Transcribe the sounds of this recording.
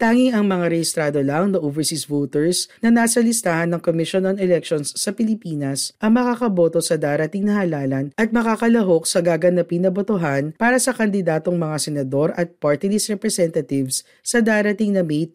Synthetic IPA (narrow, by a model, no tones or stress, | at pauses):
t̪aːŋiŋɐŋmɐŋaɾɛhɪst̪ɾaːd̪olɐŋnɐʔovɛɹsisvot̪ɛɹsnɐnaːsɐlɪst̪ahɐnːɐŋkomɪʃonɐnɛlɛk̚ʃonsːɐpɪlɪpiːnɐsʔɐŋmɐkakɐbo̞t̪o̞sɐd̪aːɾɐt̪iŋnɐhalaːlɐnʔɐt̪̚mɐkaːkɐlɐɦo̞k̚sɐɡaːɡɐnɐpɪŋnɐbot̪oɦanpaːɾɐsɐkɐnd̪ɪd̪aːt̪o̞ŋmɐŋasɛnɐd̪o̞ɾɐt̪̚paɹt̪ɪlisɾɛpɾɛsɛnt̪ɐt̪ɪvsː | ɐd̪aːɾɐt̪iŋnɐmejt̪̚